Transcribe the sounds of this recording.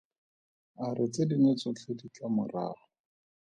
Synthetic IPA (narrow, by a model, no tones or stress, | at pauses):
arɪt͡sedinet͡sɔt͡ɬʰedit͡ɬʼamʊ̰ra̰ːχɔ